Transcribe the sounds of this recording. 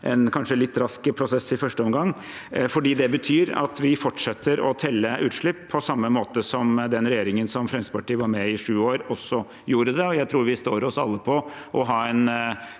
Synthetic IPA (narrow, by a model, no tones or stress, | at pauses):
ʔɛnkʰɑnʂəlɪt̪ːɾɑskəpʰɾʊsɛsːɪfœʂʈəɔmɡɑŋː | fɔɖiːd̪ɛbət̪ʰyːɾɑ̰t̪ʋɪfɔʈʂɛt̪ʰːəɾɔ̰t̪ʰɛlːəʔʉːt̪ʂɭɪpːʰɔsɑmːəmoːt̪əsɔmd̪ɛnɾɛjeːɾɪŋənsɔmfɾɛnsə̥pʰɑʈiːʋɑɾmɛɪʂʉːoːɾɔsːɔ | juːɾəd̪ɛɔjæɪt̪ʰɾuːɾʋɪst̪oːɾɔsɑlːəpʰɔ | ʔɔɦɑːɛn